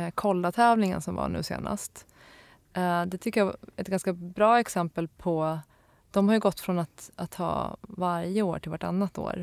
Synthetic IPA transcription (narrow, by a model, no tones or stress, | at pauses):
kʰɔlːat̪ʰɛːvlɪŋə̰nsɔmva̰ɳʉ̟̰ːsḛːna̰st̪ | d̪ɛt̪ʰʏkːəjaɛt̪ɡanskabɾɑːɛksɛmpəlpʰɔ | d̪̥ɔmhaɾjɵɡɔt̪ːfɾɔnat̪at̪ʰhɑ̰ːvaɾjəoːʈʰɪlvaʈa̰nːat̪o̰ːɾ